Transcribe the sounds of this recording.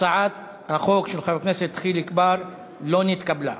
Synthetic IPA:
saʕat̪ | haχo̞kʃelχaukneset̪ːχilikbaʁ | lo̞nit̪kabla̰

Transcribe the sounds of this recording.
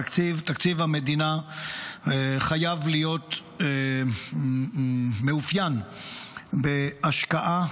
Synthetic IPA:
kt͡sivt̪akt͡sivhamed̪ina | χajavlijo̞t̪ | meufjan | beaʃkaʔa

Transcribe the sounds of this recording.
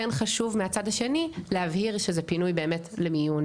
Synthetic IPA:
enχaʃuvmeat͡sadhaʃe̞nilehavhiʁʃezepinujbe̞ːme̞tlemijun

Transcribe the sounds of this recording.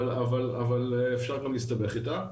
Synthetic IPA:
lavalavalefʃaʁɡamlist̪abeχit̪a

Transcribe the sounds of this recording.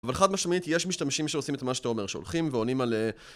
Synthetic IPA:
valeχad̪maʃmait̪ijeʃmiʃt̪amʃimʃeosimet̪maʃe̥t̪aome̞ʁʃeo̰lχimveonimale

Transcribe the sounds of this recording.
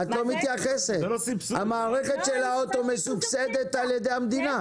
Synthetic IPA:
at̪lo̞mit̪jaχesethamaːʁeχe̞t̪ʃelaot̪o̞mesuksed̪e̞t̪aljed̪e̞jhamd̪ina

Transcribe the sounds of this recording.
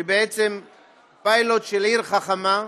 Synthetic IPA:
ebeet͡sem | pajlot̪ʃeliɾχaχama

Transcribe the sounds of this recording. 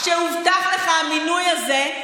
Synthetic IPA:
ʃeuvd̪aʁleχaːminujaze

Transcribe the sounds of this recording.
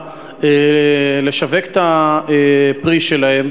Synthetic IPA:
ele̞ʃaveket̪a | pʁiʃelahem

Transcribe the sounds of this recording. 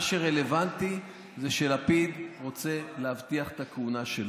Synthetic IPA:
ʃeʁe̞levant̪i | zeʃelapid̪ʁo̞t͡se̞leavt̪iaχe̥t̪akeunaʃel

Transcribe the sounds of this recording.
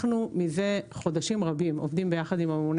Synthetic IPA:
χnumize̞χo̞d̪aʃimʁabimo̰vd̪imbe̞jaχad̪imamemun

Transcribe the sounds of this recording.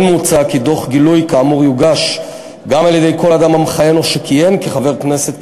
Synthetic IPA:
nmut͡sakid̪o̞χɡilujkaːmuʁjuɡaʃ | ɡamaljed̪e̞jko̞lad̪amamχaje̞noʃekije̞mkiχave̞ʁkne̞se̞t̪

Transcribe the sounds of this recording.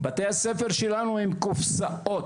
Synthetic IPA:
bat̪ehasefeʁʃelanuimkufsao̞t̪

